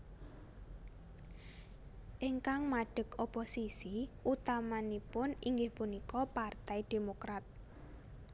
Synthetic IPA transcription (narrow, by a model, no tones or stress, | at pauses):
ʔiŋkaŋmaɖ̥ə̤koposisiʔut̪amanipʊniŋɡɪhpunikɔpart̪ɛjd̪̥e̤mokɾat̪̚